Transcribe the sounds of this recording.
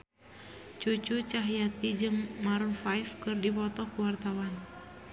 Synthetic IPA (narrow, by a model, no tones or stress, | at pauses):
t͡ʃut͡ʃut͡ʃaɦjat̪id͡ʒɨŋmaɾunfajfkɨrdipɔt̪ɔkuwart̪awan